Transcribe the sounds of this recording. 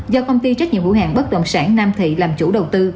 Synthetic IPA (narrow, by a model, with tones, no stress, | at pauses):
zɔ˧kə˧wŋ͡mt̪i˧t͡ɕa˦˥k̟ɲ̰˧˨əmvu˧˥˦hɦa̰ː˨˩ŋɓə˦˥t̪ə̰˧˨nsaː˧˥ŋnaː˧mt̪ʰḭ˧˨laː˨˩mt͡ɕu˧˥ɗə˨˩wt̪ɨ˧